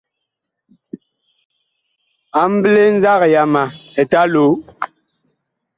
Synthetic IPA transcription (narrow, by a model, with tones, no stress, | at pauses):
a˨m̩˦ble˦n̩˦za˦ɣja˨ma˨ɛ˨ta˦lo˨˦